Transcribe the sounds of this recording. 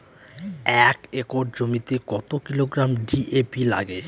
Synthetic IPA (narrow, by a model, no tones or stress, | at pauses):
ɛkɾekoɖ̚d͡ʑomit̪ekɔt̪okiloɡɾamɖiʔepila̰ɡe